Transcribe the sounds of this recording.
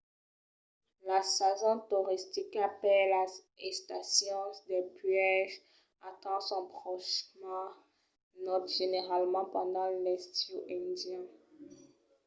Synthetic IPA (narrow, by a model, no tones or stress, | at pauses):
lasazɔ̃t̪uʁist̪ikapɛla | ɛ̃st̪asjɔ̃sd̪ɛpɥɛʒ | at̪ɑ̃sɔ̃pχɔʃmã | nɔt̪ʒ̥eneʁalmɑ̃pɑ̃d̪ɑ̃lɛst̪joʔɛ̃d̪jɛ̃